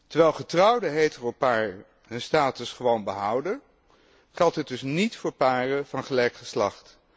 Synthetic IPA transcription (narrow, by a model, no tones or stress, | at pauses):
tɛɹʋɛjlˠχətrɑwdəɦejtəropaːɹ | ɦənstaːtəsχəʋownbəɦɑwdə | χɛlˠtɦət̚dɵsnitfʊːɹpaːrəv̥ɑnχəlɛjkχəslɑχt